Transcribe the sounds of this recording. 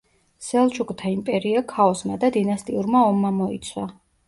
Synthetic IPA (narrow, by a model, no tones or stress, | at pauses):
sɛlˠt͡ʃʰukʼt̪ʰaimpʼɛɾiakʰaɔsmad̪ad̪inast̪ʼiuɾmaɔmːamɔḭt̪sʰwa